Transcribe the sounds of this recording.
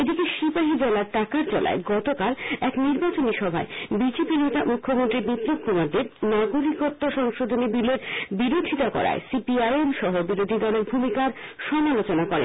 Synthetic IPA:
ed̪ikeʃibaɦid̪elaɾʈakaɾd͡ʑɔlʔa̰eɡɔt̪okalɛkniɾbat͡ɕoniʃɔbʱa̰ebid͡ʑepinet̪amukʰːomont̪ɾibit̪ɾokʰːumaɾd̪eɾnaɡoɾikoɾt̪oʃɔŋʃod̪ʱonibileɾbiɾod̪ʱit̪akɔ̰ɾa̰esipiajemʃɔɦobiɾod̪ʱid̪ɔleɾbʱumikaɾʃɔmalot͡ɕonakɔɾḛn

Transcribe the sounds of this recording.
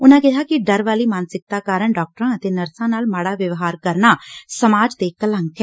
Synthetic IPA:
ʊnãːkɪɦaːkɪɖəɾʋaːliːmaːnsɪk̚t̪aːkaːɾəɳɖaːk̚ʈəɾãːət̪eːnəɾsãːnaːlmaːɽaːʋəʋɦaːɾkəɾnaːsəmaːd͡ʒt̪eːkələŋkɛː

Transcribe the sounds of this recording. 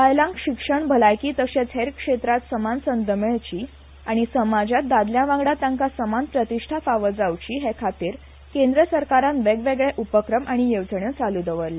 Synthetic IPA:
ajlãŋkɕikʂəɳbʱəlajkiːt̪əɕet͡sʰɦeɾkʂet̪ɾat̪səmansənd̪əmeɭt͡ɕiː | aɽ̃isəmad͡ʑat̪̚d̪ad̪ljãʋãŋɡɽat̪ãŋkasəmanpɾət̪iʂʈʰafaʋəd͡zaʋt͡ɕiːɦekʰat̪iːɾ | kẽnd̪ɾəsəɾkaɾãnʋeɡʋeɡɭeʔupəkɾəmaɽ̃ijeʋt͡səɳjət͡salud̪əʋəɾle

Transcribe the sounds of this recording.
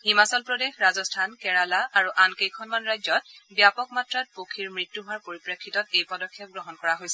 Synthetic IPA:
himasɔlpɹɔdexɹazɔstʰankɛɹalaaɹuʔankejkʰɔnmanɹajzɔt̚bjapɔkmatɹat̚pokʰiɹmɹitjuɦʊaɹpoɹipɹakʰːitɔtejpɔdɔkʰːijɔp̚ɡɹɔɦɔnkɔɹaɦojsɛ

